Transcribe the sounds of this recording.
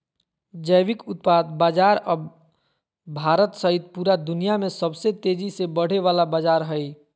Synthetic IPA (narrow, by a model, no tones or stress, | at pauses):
d͡ʒəjʋikʊt̪̚pad̪bad͡ʒaɾəb | bʱaɾət̪səɦit̪̚puɾad̪unijamesəbset̪ed͡ʒisebəɽ̤eʋalabad͡ʒaɾɦəj